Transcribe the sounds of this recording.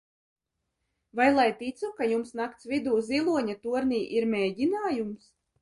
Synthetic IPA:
vajlˠajt̪it̪sukajumsnakt̪svʲid̪uːzilˠuɔɲat̪uɔɾniːʔiɾmʲeːɟinaːjums

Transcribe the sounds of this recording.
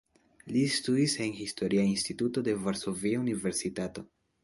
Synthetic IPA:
listudise̞nhisto̞ɾiainstituto̞de̞vaɾso̞viaunive̞ɾsitato̞

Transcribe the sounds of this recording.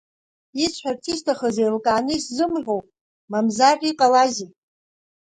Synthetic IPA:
it͡ɕʷʰħartʰistʰaχəzejlkʼaːnɨiszɨmħʷᶣowpʼ | mamzarʲʼiqʼalazi

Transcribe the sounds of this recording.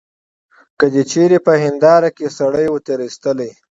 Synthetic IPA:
kəd͡ʒet͡ʃeɾepəhɪnd̪ɑɾakesaɽəjwət̪eɾist̪əle

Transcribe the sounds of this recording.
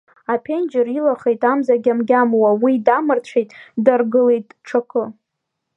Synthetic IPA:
apʲʰe̞nd͡ʒɪrilaχe̞jtʼamzaɡʲamɡʲamwawidamɨrt͡ɕʷʰejtʼdarɡɨle̞jtʼʈ͡ʂʰakʰɨ

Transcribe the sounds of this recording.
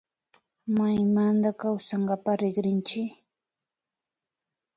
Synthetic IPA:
majmand̪akawsaɴɢapaɾɪɡɾɪnt͡ʃɪ

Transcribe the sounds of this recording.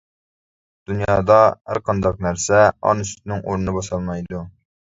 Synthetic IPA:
d̪̥unjɑːd̪ɑhæ̰ɾqʰɑnd̪ɑq̚næɾsɛɑ̰nsy̥t̪nɪŋoɾnnɨbɑsɑlˠmɑjd̪u

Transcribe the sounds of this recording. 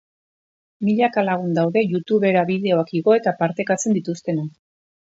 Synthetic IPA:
miʎakalaɣ̞und̪awðe̞ʝut̪uβe̞ɾaβiðe̞o̞akiɣo̞e̞t̪apaɾt̪e̞kat͡se̞nd̪it̪ust̪e̞na

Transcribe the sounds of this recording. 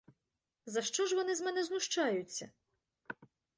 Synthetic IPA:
zɐʃt͡ʃɔʒʋɔnɪzmɛnɛznuʃt͡ʃajʊt͡sʲːɐ

